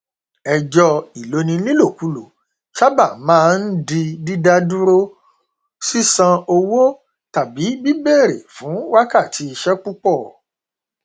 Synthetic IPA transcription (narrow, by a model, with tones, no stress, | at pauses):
ɛ˧d͡ʒɔ˧i˨lo˨˧nĩ˧nĩ˦lo˦˨ku˨˦lo˨ | ʃa˦ba˦˨mãː˦˧n̩˦di˧di˦da˦du˦ɾo˦ | si˦sã˧o˧wo˦ | ta˨bi˨˦bi˦be˦˨ɾḛ˨fũ˨˦wa˦ka˦˨ti˧˦i˧ʃɛ˦ku˦k͡pɔ˦˨